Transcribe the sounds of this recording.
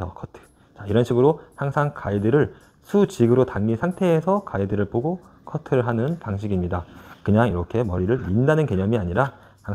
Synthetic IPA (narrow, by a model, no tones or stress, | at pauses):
ʌkʰʌtʰɯ̥ | t͡ɕaiɾʌnɕʰiɡɯɾohaŋsʰaŋkaidɯɾɯɭ | sʰut͡ɕiɡɯɾotaŋɡinsʰaŋtʰe̞ːsʰʌkaidɯɾɯɭp͈oɡo | kʰʌtʰɯɾɯɭɦanɯnpaŋɕ̬ʰiɡimɲidakɯɲaŋiɾʌkʰe̞mʌ̰ɾiɾɯɭindanɯnke̞ɲʌmiaɲiɾa | ha